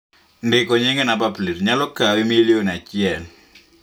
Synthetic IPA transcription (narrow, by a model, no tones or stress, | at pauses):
ndɪkɔɲɪŋenabaplitɲalɔkawimilionat͡ʃɪɛl